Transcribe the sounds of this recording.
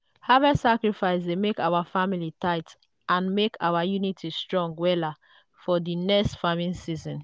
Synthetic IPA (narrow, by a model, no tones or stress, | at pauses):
havɛsakɹifaɪsdemekaʊwafamilitaɪt | ãnmekʰa̰wajunitʰistɹɔ̃ŋɡwɛla | fɔdinɛkstfamĩnsizɔ̃n